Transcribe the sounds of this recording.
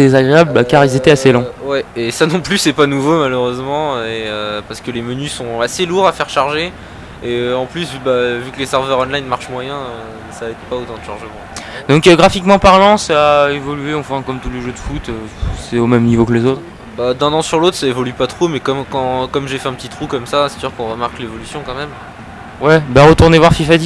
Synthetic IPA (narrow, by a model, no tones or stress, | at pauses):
d̪ezaɡʁeablbakaʁilzet̪ɛaselɔ̃wɛesanɔ̃plysɛpanuvomaløʁøzmɑ̃øeøpaʁsə̥kəlemənysɔ̃aseluʁafɛʁʃaʁʒe | eɑ̃plysvbavyklesɛʁvœʁɔ̃nlajnmaʁʃmwajɛ̃ø | saɛt̪paot̪ɑ̃d̪əʃɑ̃ʁʒəmɑ̃d̪ɔ̃kɡʁafikmɑ̃paʁlɑ̃saːevɔlyeɑ̃fɛ̃kɔmt̪uleʒød̪əfut̪øsɛomɛmnivoklezot̪χ | bad̪ɛ̃nɑ̃syʁlot̪χsaevɔlypat̪χomɛkɔmkɑ̃kɔmʒefɛɛ̃pət̪it̪χukɔmsasɛ̥syʁkɔ̃ʁəmaʁklevɔlysjɔ̃kɑ̃mɛm | wɛbaʁət̪uʁnevwaʁfifad̪i